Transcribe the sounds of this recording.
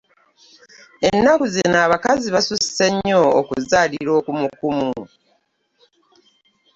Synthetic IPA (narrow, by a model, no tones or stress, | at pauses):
e̞nːakuzinaːβakaziβasusi̥se̞ɲːoːkṵzaːliɾo̞ːkumukumu